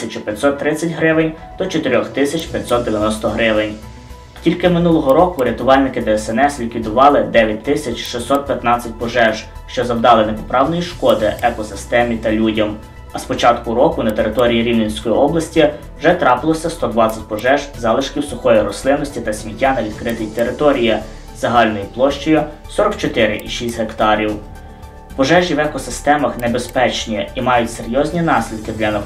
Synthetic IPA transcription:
sʲɐt͡ʃʊpʲjɐtʲsɔt̪ːɾɪt͡sʲːɐtʲɦɾɪʋɪnʲ | t̪ɔt͡ʃɔt̪eɾʲɔxt̪ɪsʲɐt͡ʃpʲjɐtʲsɔt̪d̪eʋʲjɐnɔst̪ɔɦɾɪʋɪnʲ | tʲilʲkɪmɪnulˠɔɦɔɾɔkʊɾʲɐt̪ʊʋɑlʲnɪkɪd̪ɛɛsɛnɛslʲikʋʲid̪ʊʋɑlˠɪd̪ɛʋʲjɐt̚ʲt̪ːɪsʲɐt͡ʃʃɪsʲɔt̪̚pʲjɐt̪nɑt͡sʲːɐt̚ʲpɔʒɛʒʃt͡ʃɔzɐwd̪ɑlˠɪnepɔpɾɑwnɔjiʃkɔd̪ɪʔɛkɔsɪst̪ɛmʲit̪ɐlʲudʲɐm | ɐspɔt͡ʃɑt̪kʊɾɔkʊnɐt̪eɾɪt̪ɔɾʲijiɾʲiwnʲɐnʲsʲkɔjiɔblˠɐsʲtʲi | wʒɛt̪ɾɑpɪlˠɔsʲɐst̪ɔd̪ʋɑt͡sʲɐt̚ʲpɔʒɛʒzɑlˠɪʃkʲiwsʊxɔjiɾɔslˠɪnɔsʲtʲit̪ɐsʲmʲitʲːanɐʋʲid̪̚kɾɪt̪ɪjt̪eɾɪt̪ɔɾʲiji | zɐɦɑlʲnɔjiplˠɔʃt͡ʃɔjʊ | sɔɾɔkt͡ʃɔt̪ɪɾɪʔiʃisʲtʲɦekt̪ɑɾʲiw | pɔʒɛʒiwɛkɔsɪst̪ɛmɐxnebespɛt͡ʃnʲiimɑjʊtʲseɾʲjɔzʲnʲinɑsʲlʲid̪kɪd̪lʲɐnɐ

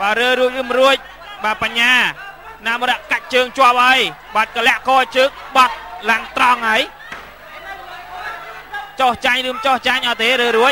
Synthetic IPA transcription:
ɓaːɾəːɾuəc̚rɨːmruəc̚ | ɓaːpaɲːaː | naːmoɾɛʔkac̚t͡ɕəːŋt͡ɕŏəp̚ʔəəjɓat̪̚kəlɛ̆əʔkɔːt͡ɕəːŋɓɑt̪̚laŋt̪rɑŋhaəj | t͡ɕoht͡ɕaɲrɨːmt͡ɕoht͡ɕaɲʔɑːt̪eːɾəːɾuəc̚

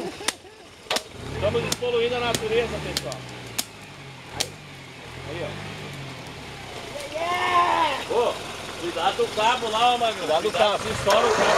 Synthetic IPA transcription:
st̪ɐ̃mʊzɪspoluĩnd̪ʊɐnat̪uɾezɐpẽsã | ai | a̰iɔ̰ | bokud̪ad͡ʒɪʊkabʊlaɔmakid̪aʊasĩsɔɾɐʊka

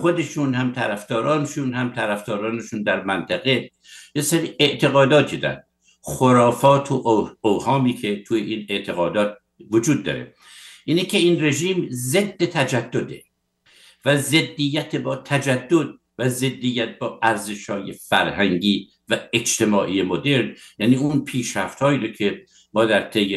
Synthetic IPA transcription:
xod̪e̞ʃuːnhæmt̪ʰæɾæfd̪ɒːɾɒːneʃuːnhæmt̪ʰæɾæfd̪̥ɒːɾɒːneʃuːnd̪æɾmænt̪ʰæɣe | jeseɾiːʔeʔt̪ʰe̞ɣɒːd̪ɒːt̪ʰid̪ɒ̰ɾ | xoɾɒːfɒːt̪ʰoʔowhɒːmiːkʰe̞t̪ʰuːjeʔiːneʔt̪ʰeɣɒːd̪ɒːt̪̚ | vod͡ʒuːd̪ːɒ̰ːɾḛ | ʔiːnekʰeiːnre̞ʒiːmzed̪ːet̪ʰæd͡ʒæd̪ːo̞d̪e̞̰ | væze̞d̪ːijːæt̪ʰebɒːt̪ʰæd͡ʒæd̪ːod̪̚ | væze̞d̪ːijːæt̪̚bɒːʔæɾze̞ʃhɒːje̞fæɾhæŋɟiː | væed͡ʒt̪ʰe̞mɒːʔiːjemod̪eɾnjæniːunpʰiːʃɾæft̪hɒːiːɾocʰe̞ | mɒːd̪æɾt̪ʰejːe

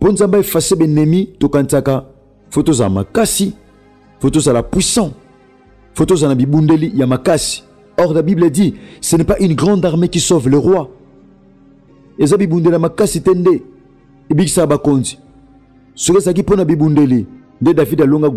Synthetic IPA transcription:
ponzãmbaefasebenɛmitokãntaka | fotoza̰ma̰kasi | fotozalapwisɑ̃ | fotozanabibundelijamakasi̥ | ɔʁlabibledisenɛpaʔynɡʁɑ̃daʁmekisovleʁwa | ezabibundelijamakasitende | ebikisakabakonzi̥ | sokozak̬iponabibundeli | ndedavidaloŋɡa

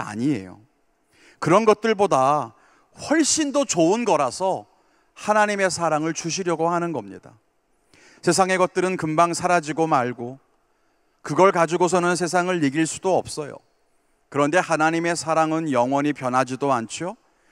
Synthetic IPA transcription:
a̰ɲie̞̰jo̰ | kɯɾʌnɡʌt̚t͈ɯɭboda | ɸwʌɭɕ͈indot͡ɕounɡʌɾasʰʌ | hanaɲime̞sʰaɾaŋɯɭt͡ɕuɕ̬ʰiɾjʌɡohanɯnɡʌmɲḭda | sʰe̞s̬ʰaŋe̞ɡʌt̚t͈ɯɾɯnkɯmbaŋsʰaɾad͡ʑiɡomaɭɡo | kɯɡʌɭkad͡ʑuɡosʰʌnɯnsʰe̞s̬ʰaŋɯɭːiɡiɭs͈u̥doʌ̰p̚s͈ʌjo̰ | kɯɾʌnde̞hanaɲime̞sʰaɾaŋɯnjʌŋwʌɲipjʌnɦad͡ʑidoant͡ɕʰio

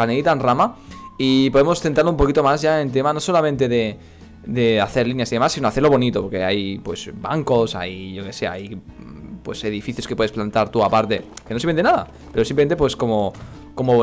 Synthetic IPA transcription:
aneit̪anramaipo̞ðemo̞sθent̪ɾaɾloumpo̞kit̪o̞mazʝaent̪̬e̞mano̞so̞lamẽnt̪e̞ðe̞ | d̪eaθe̞ɾlinjasiðe̞masːinoaθeloβonit̪opoɾke̞̰ajpwe̞sba̰ŋko̞sa̰jʝoke̞se̞a̰j | pwe̞se̞ð̞ifiθjo̞skepweeplant̪aɾt̪uapaɾt̪e̞kenos̬eenenaða̰ | pe̞ɾo̞simpleent̪epwe̞sko̞mo | ko̞mo

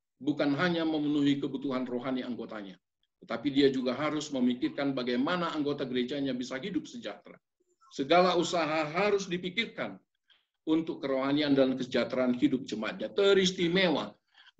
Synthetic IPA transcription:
bukanɦaɲaməmənuɦikəbut̪uɦanroɦaniaŋɡot̪aɲa | t̪ət̪apidiad͡ʒuɡaɦaɾʊsməmikɪrkanbaɡajmanaːŋɡot̪aɡəɾed͡ʒaɲabisaɦidʊp̚səd͡ʒat̪ɾa̰ | səɡalausaɦaɦaɾʊsdipikɪrkan | unt̪ʊkːəɾoɦaniandalnkəsəd͡ʒat̪ɾaːnhidʊp̚t͡ʃəmat̪̚ɲat̪əɾist̪imewa̰

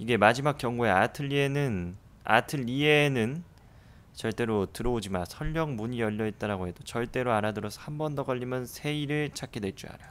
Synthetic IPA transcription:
iɡe̞mad͡ʑimak͈jʌŋɡoe̞atʰɯʎːienɯn | a̰tʰɯʎienɯn | t͡ɕʌɭt͈e̞ɾotɯɾʌod͡ʑimasʰʌʎːʌŋmuɲijʌʎːʌit̚t͈ʌɾaɡoɦe̞d̥ot͡ɕʌɭt͈e̞ɾoaɾadɯɾʌsʰʌ̥hambʌndʌɡʌʎːimjʌnsʰe̞iɾɯɭt͡ɕʰak͈edwet͡ɕ͈ua̰ɾa

